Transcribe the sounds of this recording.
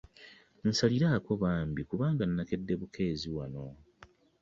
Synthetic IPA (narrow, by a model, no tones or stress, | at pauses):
n̩saliɾaːko̞βaːmbikuβaːŋɡanːake̞dːe̞βukʰe̞ːziwano̞